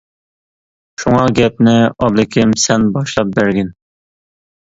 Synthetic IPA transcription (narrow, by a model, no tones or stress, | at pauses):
ʃuŋɑɡʲɛp̚nɪɑblˠɪkʲʰɪmsɛnbɑʃlˠɑp̚bæɾɡʲɪn